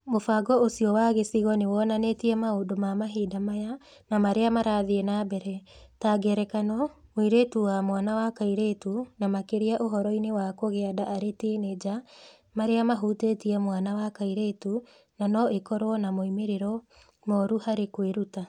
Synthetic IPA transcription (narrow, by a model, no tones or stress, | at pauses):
mofaɡɔosiɔwaɣesiɣɔnewɔnanetiɛmaodomamaɦiːdamajanamaɾeamaɾaðiɛnabɛɾɛtaɡɛɾɛkanɔmoiɾetuwamwanawakaiɾeːtunamakeɾiaʔoɦɔɾɔinewakoɣeadaaɾetened͡ʒa | maɾeamaɦutetiɛmwanawakaiɾetu | nanɔʔekɔɾwɔnamoimeɾeɾɔ | mɔɾuhaɾekweɾuta